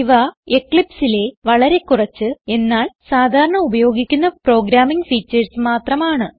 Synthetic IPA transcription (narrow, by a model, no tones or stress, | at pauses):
iʋɐekɭipsile̞ʋɐɭɐɾe̞kːurɐt͡ɕːɨe̞nːaːlsaːd̪ʱaːɾɐɳɐubɐjo̞ːɡikʲːunːɐpro̞ːɡɾaːmiŋɡfiːt͡ɕːɐrsmaːt̪rɐmaːɳɨ